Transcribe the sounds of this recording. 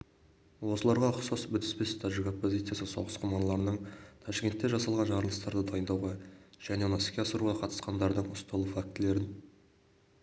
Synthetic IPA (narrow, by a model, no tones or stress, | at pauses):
wo̞səlˠɑɾʁɑqsɑsbʏt̪ɪ̥spest̪ʰaʒɪkopːozʲit̪sɨjasəso̞̰ʁəsqʰomɑnlˠɑɾənəɴt̪ʰɑʃkʲe̞nt̪ːeʒɑsɑlˠʁɑnʒɑɾəlˠəst̪ɑɾd̪əd̪ɑjənd̪ɑwʁɑʒ̥æne̞nɑskʲeɑsəɾuʁɑqʰɑt̪ə̥sqɑnd̪ɑɾd̪əɴʊst̪ɑlˠəfak̚t̪ɪle̞ɾɪn